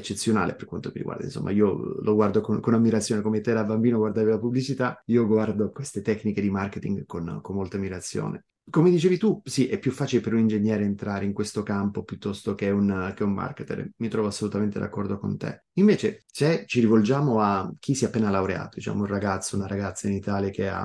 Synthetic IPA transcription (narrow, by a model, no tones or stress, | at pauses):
et͡ʃːet̪sːjona̰ːlḛperkwant̪omḭɾḭɡwa̰rd̪a̰inso̰mːʔa̰iːolʔoɡward̪okonkonamːiɾat̪sːjoːnekomet̪ːɛːɾabambiːnoɡward̪aːvilapublit͡ʃit̪aiːoɡward̪okwest̪et̪ɛkːniked̪imarket̪ḭŋɡkonkomːolt̪amiɾat̪sːjo̰ːnḛ | komed̪it͡ʃeːvit̪usiʔɛpːjufːaːt͡ʃilepeɾunind͡ʒeɲjɛːɾeːnt̪ɾaːɾeiŋkwest̪okampopjut̪ːɔst̪ok̟eɛunkɛumːa̰rket̪ḛrmit̪ɾɔvoasːolut̪ament̪ed̪a̰kːɔrd̪oko̰nt̪ḛ | iɱveːt͡ʃet͡ʃɛt͡ʃiɾivold͡ʒaːmoak̟ʰːisiapːeːnalawɾea̰ːt̪od̪it͡ʃa̰ːmounraɡat̪sːounaɾaɡat̪sːainit̪aːljak̟ea̰